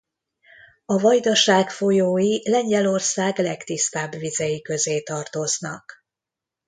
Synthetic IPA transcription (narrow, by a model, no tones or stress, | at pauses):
ɒvɒjd̪ɒʃaːkfo̞joːjilɛɲɟɛlo̞rsaːɡlɛkt̪ist̪aːbvizɛjikø̞zeːt̪ɒrt̪o̞znɒk